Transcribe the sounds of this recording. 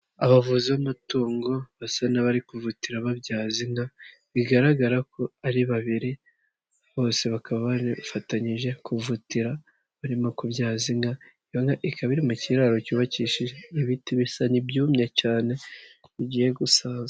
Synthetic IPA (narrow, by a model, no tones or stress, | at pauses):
aβavuziβamatoːŋɡo̞βasanaβaɾikuvutiɾaβabjaːziŋɡa | βiɡaɾaɡaɾako̞aɾiβaβiɾi | βo̞ːse̞βakaβaβaɾifataɲiʒe̞kuvutiɾa | βaɾimo̞kubjaːziŋɡa | ijoŋɡaʔikaβiɾimuciɾaɾo̞cuːβaciːʃiʒeiβitiβisanibjuːmɲecaːne̞βiɟiːje̞ɡusaːnza